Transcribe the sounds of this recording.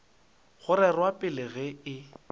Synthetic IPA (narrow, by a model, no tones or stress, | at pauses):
χʊɾɛrwapʼɪlɪɣɛɪ